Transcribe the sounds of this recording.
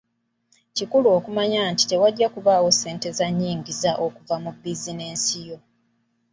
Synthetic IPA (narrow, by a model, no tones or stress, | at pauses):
cikuluo̞ːkumaɲaːnti̥te̞waɟːakuβaːwo̞se̞ːnte̞zaɲːiːɲɟizaʔo̞kuvamubizine̞ːnsijo̞